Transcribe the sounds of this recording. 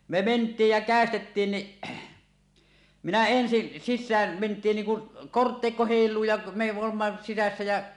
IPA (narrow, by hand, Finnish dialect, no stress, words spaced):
me mentˑiːj jæ kæˑestetːiːn ni minæ ensi sisːæːm mentˑiːn niːŋ kun kortːeˑikːo heˑilˑuː jɑ me oːmːɑ sisæsːæ jæ